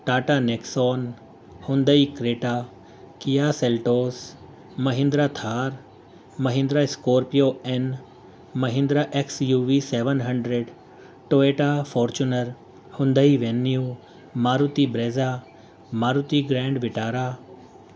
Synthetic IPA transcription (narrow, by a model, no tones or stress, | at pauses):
ʈaːʈaneksoːn | hʊ̃nd̪əikɾeːʈaː | kijaːselʈoːs | mɐɦɪ̃nd̪ɾat̪ʰaːɾ | mɐɦɪ̃nd̪ɾaɪskoːɾpijoen | mɐɦɪ̃nd̪ɾaʔeksjuʋiseʋənɦɐɳɖɾeɖ | ʈoːeʈafoːɾt͡ɕunəɾ | hʊ̃nd̪əiʋenju | maːɾut̪ibɾeːza | maːɾut̪iɡɾɛ̃ːɳɖʋɪʈaːɾaː